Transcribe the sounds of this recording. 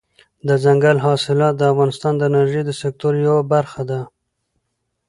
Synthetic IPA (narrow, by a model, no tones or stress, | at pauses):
d̪əzaŋɡalɦɑsɪlɑt̪̚d̪əafɣɑnɪst̪ɑnd̪əɪnaɾʒejd̪əsɪk̚t̪oɾjawabaɾxad̪a